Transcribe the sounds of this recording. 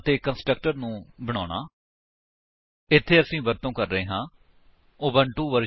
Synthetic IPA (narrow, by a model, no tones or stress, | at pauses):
t̪eːkənsʈɾək̚ʈəɾnũːbəɽ̃aːɳa̰ː | ɪt̪ʰːeːəsĩːʋəɾt̪õːkəɾːəeːɦãː | oːbəɳʈũːʋəɾ